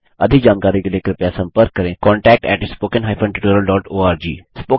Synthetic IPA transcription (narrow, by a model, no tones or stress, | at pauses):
ɐ̰d̪ʱɪk̚d͡ʒaːnkaːɾikeleːkəɾpjasɐ̃mpəɾkːəɾẽkɔ̃ːɳʈɛːk̚ʈɛ̰ːʈspoːkənɦaːɪpʰə̃ɳʈɪʈoːɾəlɖɔːʈoːaːɾd͡ʒḭːspoː